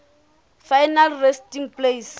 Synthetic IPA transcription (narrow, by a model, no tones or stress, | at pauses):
fajnalrestiŋplejs